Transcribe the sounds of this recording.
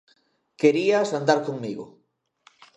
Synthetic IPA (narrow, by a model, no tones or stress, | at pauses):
keɾiasand̪aɾkoŋmiɣo̰